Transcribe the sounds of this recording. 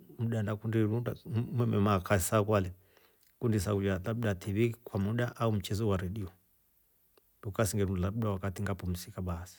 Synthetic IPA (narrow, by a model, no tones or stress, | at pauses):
muɗandakundiɾundamwɛmɛmakʰaisakwalɛ | kundis̬akud͡ʒatabuɗatʰiβikwamuɗaʔaum̩t͡ʃɛzɔwaɾɛɗiɔ | dukasiŋɡɛɾulauɗawakatiŋɡapɔm̩sikaɓaasi̥